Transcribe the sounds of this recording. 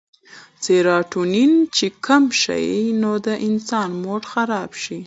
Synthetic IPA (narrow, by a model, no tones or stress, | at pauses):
t͡seɾɑʈunint͡ʃekamʃa̰jnod̪əʔɪnsɑnmoʈxaɾɑbʃi